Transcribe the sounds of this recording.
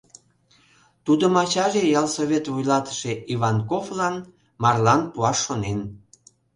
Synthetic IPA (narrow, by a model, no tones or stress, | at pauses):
t̪ud̪əmɑt͡ɕɑʒejɑlsoβʲet̪vujlɑt̪ə̥ʃeiβɑnkoflɑn | mɑrlɑnpuɑʃːonen